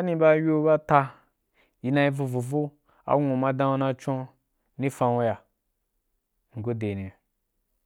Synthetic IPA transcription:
a˦nĩ˧ba˦jo˦ba˦ta˧ | ji˧nã˧i˧vu˧vu˨vo˦ | a̰˨˦ŋʷũ˨ma˧dã˦wo˦nã˧t͡ʃõ˦ | nĩ˦fã˧wo˦ja˨ | ŋ̩˨ɡo˦de˨nĩ˨a˨

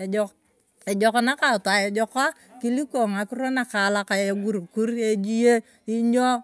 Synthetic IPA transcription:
e˨d͡ʒɔ˨kɔ˦na˦ka˨ta˨e˨d͡ʒɔ˦ka˦ | ki˦li˦ko˨ŋa˨kɪ˦ɾo˦na˨ka˨la˦ka˨e˨ɡu˨ɾku˦ɾe˦d͡ʒi˦je˦ | i˦ɲɔ˦

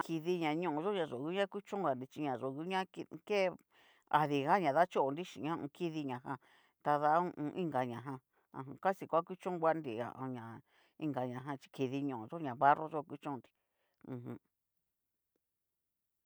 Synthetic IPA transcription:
kʰi˧ði˧ɲã˨ɲũ˧˨˧ʒo˦ɲã˧ʐo˨ɣu˦ɲã˦ku˦t͡ʃõ˦ɡa˧nd̪i˧t͡ʃi˧ɲã˨ʐo˨ɣu˧˦ɲã˦ki˧ke˦ | a̰˨ði˧ɣa˦ɲã˨ða˦t͡ʃo˦ʔo˧nd̪i˦ʃḭ˨ɲã˦˧ṵ̃˧ki˦ði˧ɲã˨ɦã˧ | t̪a˧ða˦ũ˧ʔũ˧ʔĩ˦ŋɡa˨ɲã˨ɦã˧ | ã̰˧˨ã˧˨ka˦si˧kʷa˦ku˦t͡ʃũ˦ɡʷa˦nd̪i˧˨a̰˨ʔõ˧ɲã˨ | i˧ŋɡa˨ɲã˨ɦã˧t͡ʃi̥˧kʰi˧ði˧ɲõ˨õ˨˧ʒo˦ɲã˨βa˦ro˦ʒo˦˧ku˦t͡ʃõ˦˧nd̪i̥˧ | ũ˧ɦũ˧

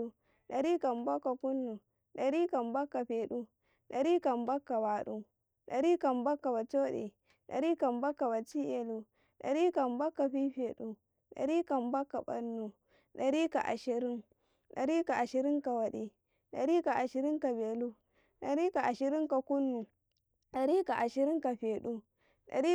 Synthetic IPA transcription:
u˦ | ɗɐ˨ɾiː˦ka˨mba˦kːa˨ku˦nːu˨ | ɗɐ˨ɾiː˦ka˨mbɐ˦kːa˨ɸeː˨ɗu˦ | ɗɐ˨ɾiː˦ka˨mbɐ˦kːa˨baː˨ɗu˦ | ɗɐ˨ɾiː˦ka˨mbɐ˦kːa˨ba˨t͡ʃo˦ɗḛ˨ | ɗɐ̰˨ɾiː˦ka˨mbɐ˦kːa˨ba˨t͡ʃi˦ʔe˨lu˨ | ɗɐ̰˨ɾi˦ka˨mbɐ˦kːa˨ɸi˦ɸe˨ɗu˦ | ɗɐ̰˨ɾi˦ka˨mba˦kːa˨bɐ̰˦nːu˨ | ɗɐ˨ɾiː˦ka˨ʔa̰˨ʃi˨ɾɪ˦ŋ | ɗɐ˨ɾi˦ka˨ʔa˨ʃi˨ɾi˦ŋka˨wɐ˨ɗi˨ | ɗɐ˨ɾi˦ka˨ʔa˨ʃɪ˨ɾɪ˦ŋka˨beː˨lu˦ | ɗɐ˨ɾi˦ka˨ʔa˨ʃi˨ɾi˦ŋka˨ku˦nːu˨ | ɗɐ˨ɾi˦ka˨ʔa˨ʃi˨ɾi˦ŋka˨ɸeː˨ɗu˦ | ɗɐ̰˨ɾi˦

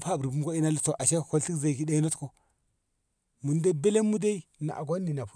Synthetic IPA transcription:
pa˦˨bɾi˨bu˦m˦ko˦i˦na˦lu˨t͡so˨ʔa˨ʃe˦˨ko˦li˦kza˨ki˦de˦i˦no˦tko˨ | mu˨nde˦be˦le˦mːu˦de˦i˦na̰˨ʔa̰˨ɡo˦nːi˨na˨pu˦

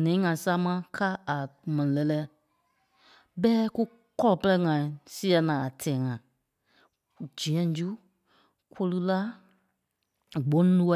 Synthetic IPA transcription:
nɛ̃˨˦ŋã˨sa˦mã˦ka˦a˨mɛ̃˨nĩ˨lɛ˧˨lɛː˦ | bɛː˦ku˦ | kɔ˦lɔ˨pə˦lɛ˦ŋã˨ĩ˨si˦ɛ˧nãː˨a˨tʰɛ̃ː˨ŋã˨ | d͡ʒĩ˨ɛ̃˦d͡ʒu˦ | kʷo˧lɨ˦la˦ | ɡ͡bõ˨˦lũ˦˧

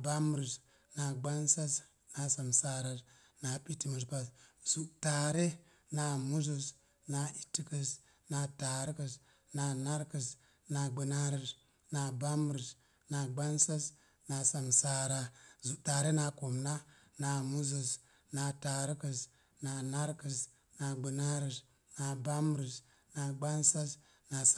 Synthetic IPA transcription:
ba˦m˦ɾi˨s | na˨ɡ͡ba˦nsa˦s | na˨sa˨msa˦ɾa˨ | na˨pi˦ti˦mu˨s̬pa˨sz̥u˨ʔta˨ɾe˦ | na˨mu˦zu˨s | na˨i˨tːi˦kə˨s | na˨ta˨ɾi˦kə˨s | na˨na˦ɾkə˨s | na˨ɡ͡bə˨na˦ɾi˨s | na˨ba˦mɾi˨s | na˨ɡ͡ba˦nsa˦s | na˨sa˨msa˦ɾa˦zu˨ʔta˨ɾe˦na˧ku˨mna˦ | na˨mu˦zu˨s | na˧ta˨ɾi˦ki˨s | na˨na˦ɾki˨s | na˨ɡ͡bi˨na˦ɾi˨s | na˨ba˦mɾi˨s | na˨ɡ͡ba˦nsa˦s | na˨s

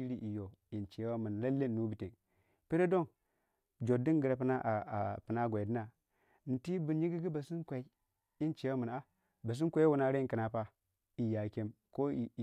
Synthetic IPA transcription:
i˦ɾi˦ʔi˨jo˨ | i˨nt͡ʃe˨˦wa˦mu˨n˨la˦lːeː˦˨˦u˦bi˨te˨n | pi˦ɾe˦do˦˨n | d͡ʒo˨di˦nɡi˨ɾa˨pə˦na˦ʔa˨a˨pɨ˨na˦ɡʷa˨i˨di˦na˨ | n̩˨ti˦bu˨ɲi˦ɡi˦ɡi˦ba˨si˦nkʷa˨i˦ | i˦nt͡ʃe˨˦wa˦mu˨na˦ | ba˨s̬i˦n˦kʷa˦wu˨na˨˦ɾe˦˨˦ki˨na˨pa˦ | i˨ja˨kʲe˦m | ko˦i˨

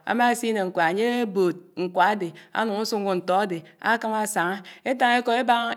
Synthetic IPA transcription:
a̰˨ma˦˨si˦ne˨ŋ̩˨kʷa˨a˨ɲe˦bo˨t̚ŋ̩˨kʷa˨a˦de˨a̰˦nu˨ŋu˦su˦ŋ˦ɡu˨n̩˨tɔ˨˦a˦de˨a̰˦ka˦ma˦sa˨ŋa˦e˦ta˦ŋ˦e˦ko˨e˦ba˦ŋ˦

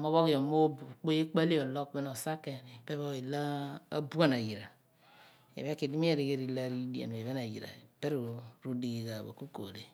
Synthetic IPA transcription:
mo˦βo˦kjo˨mo˦˨k͡po˦je˦k͡pa˦le˦o˨lo˦k̚be˦no˨sa˦ke˨pe˦βo˦i˨la̰ː˦bu˦a˦na˨ji˨ɾa˨ | ḛ˨βe˦ki˨di˦mi˦e˦ɾi˨ɡe˦ɾi˦la˦ɾi˦di˨ḛ˨n˨e˨βe˦na˨jḭ˨ɾa̰˨pe˦ɾu˨ɾu˦di˨ɡi˨ka˨βo̰˨ku˦ko̰˨le˨

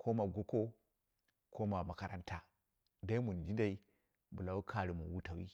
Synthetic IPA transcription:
kʰo˦ma˨ɡu˦ko˦ | kʰo˦ma˨ma˨ka˨ɾa̰˦nta˨ | da˦i˦mu˨n˨d͡ʒi˦da˨i˦ | bu˨la˨wu˦kʰa˨ɾi˨mṵ˨wu˦ta˨wḭ˦

